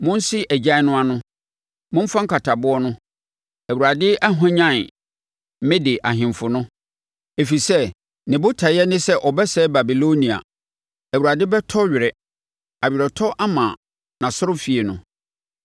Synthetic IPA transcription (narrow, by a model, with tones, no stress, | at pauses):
mʊ̃˦n̩˦si˦ʔæ˨d͡ʑa˦nʊ̃˦a˦nʊ̃˦ | mʊ̃˦m˦fã˦ŋ̩˦kʰa˨tʰa˨bʊ˦ɔ˦nʊ̃˦ | æ˨wu˨ɾa˨dɪ˦ʔa˦ɦã˦ɲã˦˨n˨˦ | mɪ̃˦dɪ˨ʔa˨ɦɪ̃˨mfʊ˨nʊ̃˦ | e˨fi˨sɛ˦ | nɪ̃˨bʊ˦tʰa˨jɛ˦nɪ̃˦sɛ˦ʔɔ˨bɛ˦sɛ˦ba˨bi˨lo˦nĩ˨a̰˨ | æ˨wu˨ɾa˨dɪ˦bɛ˦tʰɔ˦ɥɪ˨ɾɛ˨ | a˨ɥɪ˨ɾɛ˨tʰɔ˦ʔa˦mã˨ | nã˨sʊ˦ɾʊ˦fi˨e˨nʊ̃˨